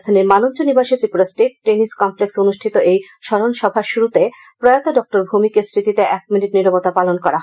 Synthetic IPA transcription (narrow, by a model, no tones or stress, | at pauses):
d̪ʰʱaniɾmanont͡ɕonibaʃit̪ɾipɾosʈeʈ̚ʈeniskɔmpleksonuʃʈʰit̪oʔej | ʃɔɾonʃɔbʱaʃuɾut̪e | pɾojat̪oɖɔk̚ʈoɾbʱumikeɾsɾit̪it̪eʔɛk̚miniʈniɾabot̪apalonkɔɾaɦ